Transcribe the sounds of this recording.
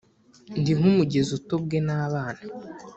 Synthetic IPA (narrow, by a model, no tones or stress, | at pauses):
ndiŋ̥umuɟe̞zuto̞b̚ɡe̞naːβaːna